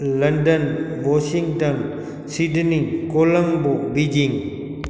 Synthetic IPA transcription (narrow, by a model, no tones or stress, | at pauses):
lɐndɐnbɔsiŋtɐn | sidnikolɐŋbobid͡ʒiŋ